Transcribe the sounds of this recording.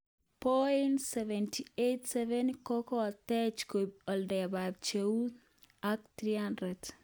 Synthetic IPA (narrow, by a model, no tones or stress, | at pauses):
pɔintsɛvɛntʰietsɛvɛnkɔkɔt̪ɛt͡ʃkob̚ɔldɛbab̚t͡ʃeu | ak̚t̪ɾiandɾɛd